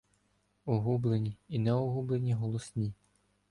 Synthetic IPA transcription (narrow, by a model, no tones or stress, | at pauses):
ɔɦublˠenʲiinɛɔɦublˠenʲiɦɔlˠɔsʲnʲi